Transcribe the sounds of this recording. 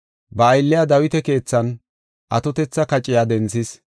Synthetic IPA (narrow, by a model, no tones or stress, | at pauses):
bɐːjlːɪjad̪ɐwɪt̪ɛke̞ːt͡sːɐn | ʔɐt̪ɔt̪ɛt͡sːɐkɐt͡ʃʼːɪjad̪ɛnt͡sːɪs